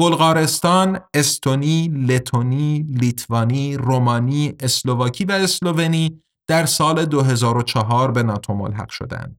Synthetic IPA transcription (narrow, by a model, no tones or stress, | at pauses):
b̥olɣɒːɾe̞st̪ɒːne̞st̪ʰo̞niːle̞t̪ʰonilit̪ʰvɒːniːromɒːniːe̞slovɒːcʰiːvæeslo̞ve̞niː | d̪̥æɾsɒːle̞d̪oɦe̞zɒːɾot͡ʃʰɒɦɒːɾbe̞nɒːt̪ʰo̞mo̰lɦæ̰ɡ̥ʃo̞̰d̪æ̰nd̪̥